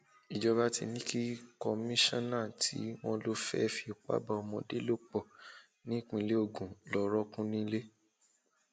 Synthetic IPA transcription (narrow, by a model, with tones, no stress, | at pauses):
i˨d͡ʒɔ˧βa˦tḭ˧nĩ˦ki˦kɔ˧mĩ˦ʃɔ̃˦nã˦˨tʰḭ˨˦w̃ɔ̃˦lo˦fɛ̰˦fi˧˦o˨k͡pa̰˦ba˧ɔ˧mɔ̃˧de˦lo˦k͡pɔ˦˨ | nĩ˦k͡pĩ˧˨˦le˦o˧˨ɡũ˨lɔ˧ɾɔ˦kũ˦nĩ˦le˦